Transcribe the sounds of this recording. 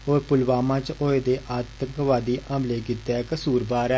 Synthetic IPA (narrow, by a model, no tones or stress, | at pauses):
ɦoːɾpʊlʋaːmãːt͡ʃoːeːd̪eːʔət̪ɡəʋaːd̪iːʔə̃mbleːkɪt̪ːɛːkəsuːɾbaːɾɛː